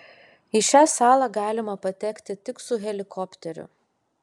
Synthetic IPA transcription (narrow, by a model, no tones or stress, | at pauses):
iʃʲæːsɑːlˠɑːɡɑːlʲɪmɐpɐt̪ʲɛkʲt̪ʲɪt̪ʲɪksʊɣʲɛlʲɪkʰɔpʲt̪ʲɛɾʲʊ̰